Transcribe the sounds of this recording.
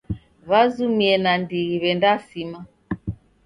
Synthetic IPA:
βazumiɛnandiɣiβɛndasima

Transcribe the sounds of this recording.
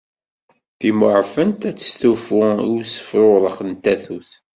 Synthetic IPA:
θimʊʕfənt̪æt͡sːə̥sθufʊiwsə̥fɾoðˤəχənt̪æθuθ

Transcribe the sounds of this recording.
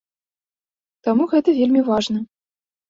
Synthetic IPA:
t̪amuɣɛt̪ɐvʲelʲmʲivaʐnɐ

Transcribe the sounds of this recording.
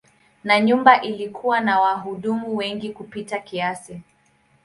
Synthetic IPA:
naɲumbaʔilikʰuwanawaɦuɗumuwɛŋɡikupitakiasi

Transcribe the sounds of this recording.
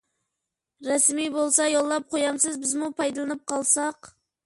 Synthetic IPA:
ɾɛsmibolˠsɑjolˠːɑp̚qʰojɑmsɨzbɪzmupʰɑjd̪ɨlˠɨnɨp̚qʰɑlˠsɑq

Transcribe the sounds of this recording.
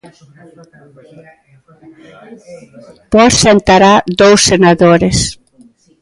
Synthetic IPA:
pɔɾsent̪aɾad̪owsːenaðoɾes

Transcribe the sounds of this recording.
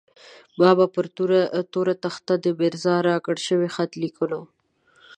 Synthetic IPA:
bɑbapəɾt̪uɾt̪oɾat̪axt̪ad̪əbeɾzɑɾɑkəɽʃəwexat̪likuno

